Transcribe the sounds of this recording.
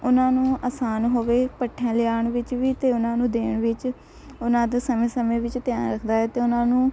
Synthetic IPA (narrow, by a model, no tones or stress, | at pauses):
ʊnãːnũːaːsaːnɦoːʋeːpəʈʰːãːlɪjaːɳʋɪt͡ʃʋiːt̪eːʊnãːnũːd̪eːɳʋɪt͡ʃ | ʊnãːd̪aːsəmẽːsəmẽːʋɪt͡ʃt̪ɪjaːnɾəkʰd̪aːɛːt̪eːʊnãːnũː